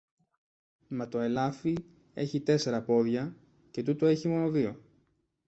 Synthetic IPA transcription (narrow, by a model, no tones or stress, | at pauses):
mɐt̪o̞e̞lɐfi | e̞̰çit̪e̞se̞ɾɐpo̞ðʝɐ | ce̞t̪ut̪o̞e̞çimo̞no̞ðio̞